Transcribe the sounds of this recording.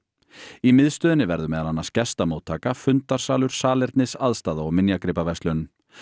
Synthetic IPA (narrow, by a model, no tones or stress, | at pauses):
imɪðst̪œːðɪnːɪvɛɾðʏmɛːðalanːḁscɛst̪amoːwt̪ʰːaːkafʏnt̪aɾ̥saːlʏɾ̥saːlɛɾt̪nɪsaðst̪aːðaɔɣmɪnjakɾɪpavɛst̪lœn